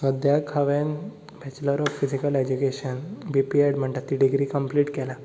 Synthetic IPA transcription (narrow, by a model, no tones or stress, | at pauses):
əd̪jakʰəʋẽn | bʱɛt͡ɕləɾɔffid͡ʑikəled͡ʑukeɕənbipieɖm̤əɳt̪at̪ːiɖiɡɾiːkəmpliːʈkɛla